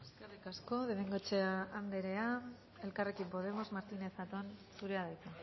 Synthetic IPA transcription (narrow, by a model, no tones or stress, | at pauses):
eskerikasko̞ðeβeŋɡot͡ʃeaanɡ̪e̞ɾe̞a | e̞lkarekimpo̞ð̞e̞mo̞zmaɾt̪ine̞sat̪onsuɾeaðajt͡sa